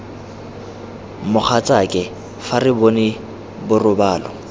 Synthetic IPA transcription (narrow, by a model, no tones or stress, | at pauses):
mʊχʰat͡sʼakʼɛ | farɪbonɪ | bʊrʊbaːlɔ̰